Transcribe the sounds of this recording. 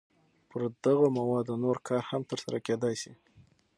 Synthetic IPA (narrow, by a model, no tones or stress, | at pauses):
pəɾd̪aɣomawɑd̪onoɾkʰɑɾhamt̪əɾsaɾaked̪ɑjsi